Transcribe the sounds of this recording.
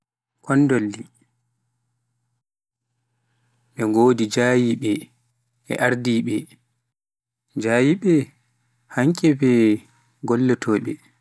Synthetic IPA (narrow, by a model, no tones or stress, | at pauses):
kʰɔndolːi | ɓɛŋɡoːdid͡ʒaːjiɓɛ | ɛ̰ʔaɾdiɓɛ | d͡ʒajiɓɛ | haŋkʼɛbɛ | ɡɔlːɔtʰɔːɓɛ